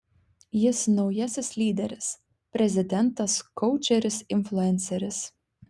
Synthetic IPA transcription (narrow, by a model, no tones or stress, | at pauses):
jɪsnɔwjæsʲɪslʲiːd̪ʲɛɾʲɪs | pɾʲɛzʲɪd̪ʲɛnt̪askɔwt͡ʃʲɛɾʲɪsinflˠuɛnsɛɾʲɪs